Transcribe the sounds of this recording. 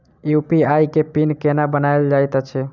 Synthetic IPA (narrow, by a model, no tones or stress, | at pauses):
jupiajkepinkenabənajld͡ʒajt̪ət͡ʃʰɛ